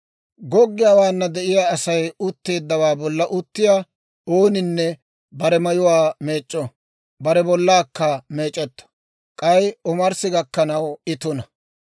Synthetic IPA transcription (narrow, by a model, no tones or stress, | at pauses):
ɡɔɡːɪjaːwaːnːɐd̪ɛʔɪjaːɐsɐjʊt̪ːe̞ːd̪ːɐwaːbɔlːɐʔʊt̪ːɪjaː | o̞ːnɪnːɛ | bɐɾɛmɐjʊwaːme̞ːt͡ʃʼːɔ | bɐɾɛbɔlːaːkːɐme̞ːt͡ʃʼɛt̪ːɐ̥ | kʼɐjɔmɐɾsɪɡɐkːɐnɐwɪt̪ʊnɐ